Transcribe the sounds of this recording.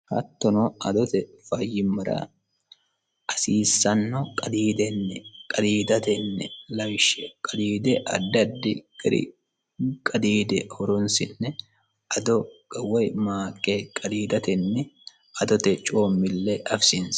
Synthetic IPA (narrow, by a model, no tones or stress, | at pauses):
hɐ̰t̪ːɔnɔʔɐd̪ɔt̪ɛfɐjɪmːɐɾɐ̰ | ʔɐsiːsːɐnːɔkʼɐd̪iːd̪ɛnːɛkʼɐd̪iːd̪ɐt̪ɛnːɛlɐjʃɛkʼɐd̪iːd̪ɛʔɐ̰d̪ːɐd̪ːɪɡɾɪ̰ | kʼɐd̪iːd̪ɛhɔɾɔnsɪnːɛ | ʔɐd̪ɔɡɐwɔjmaːkʼːekʼɐd̪iːd̪ɐt̪ɛnːɛ | ɐd̪ɔt̪ɛt͡ʃʼoːmːɪlːɛʔɐfsɪns